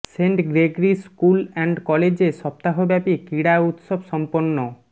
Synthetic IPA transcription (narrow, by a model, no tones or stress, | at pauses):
seɳʈɡɾeɡɾiskulɛɳɖkɔled͡ʑeʃɔp̚t̪aɦobɛpikiɽaut̪ʃobʃɔmponːo